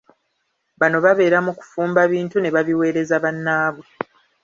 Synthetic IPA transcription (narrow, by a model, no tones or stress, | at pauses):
βano̞βaβe̞ːɾamuku̥fuːmbaβiːntune̞βaβiwe̞ːɾe̞zaβanːaːβwe